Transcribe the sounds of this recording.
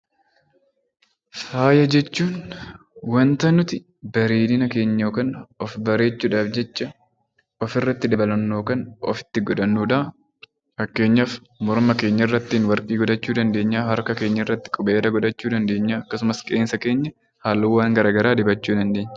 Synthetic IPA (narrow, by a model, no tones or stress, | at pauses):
faːjɐd͡ʒɛt͡ʃːuːn | wɐnt̪ɐnʊt̪ɪ | bɐɾiːd̪ɪnɐke̞ːɲːoːkɐnɔfbɐɾe̞ːt͡ʃːuːᶑaːfd͡ʒɛt͡ʃːɐ | ɔfɪrːɐt̪ːɪd̪ɐbɐlɐnːo̞ːkɐnɔ̰fɪ̥t̪ːɪɡɔᶑ̪ɐnːuːᶑ̪ɐː | fɐkːe̞ːɲːɐf | mɔɾmɐke̞ːɲːɐɪrːɐt̪ːiːnwɐɾkʼiːɡɔᶑ̪ɐt͡ʃːuːd̪ɐnd̪eːɲːaːɦɐɾkɐke̞ːɲːɐɪrːɐt̪ːɪ̥kʼʊbeːd̪ɐɡɔᶑɐt͡ʃːuːd̪ɐnd̪e̞ːɲːaːɐkːɐsʊmɐskʼeːnsɐke̞ːɲːɐ | haːlːɐwːaːŋɡɐɾaːɡɐɾaːd̪ɪbɐt͡ʃːuːd̪ɐnd̪e̞ːɲːɐ